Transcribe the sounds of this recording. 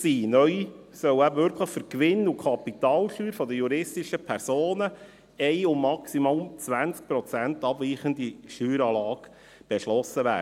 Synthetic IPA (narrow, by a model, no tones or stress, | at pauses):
siːnœʏ | sœwæbəʋʏɾkʰləχfʏɾkʋɪnukʰɑpit̪ɑːlʃyːɾfɔd̪əjuɾɪstiʃəpʰɛɾsoːnə | ɛɪʊmːɑksimʊmt͡sʋænt͡sk̚pɾɔt͡sæntɑb̥viːχənd̪iʃyːɾɑːlɑːɡ | b̥ɛʃlɔsəʋæ̰ː